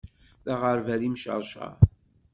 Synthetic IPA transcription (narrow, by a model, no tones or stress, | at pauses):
ðaʁəɾvæðimʃə̰ɾˤʃɑ̰